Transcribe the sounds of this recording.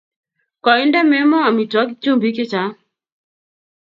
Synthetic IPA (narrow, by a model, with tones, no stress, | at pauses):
kɔ˨i˦ndɛ˦mɛ˦mɔ˦a˨mi˨twa˨˦kt͡ʃu˦mbi˦kɪ˦t͡ʃa˨˦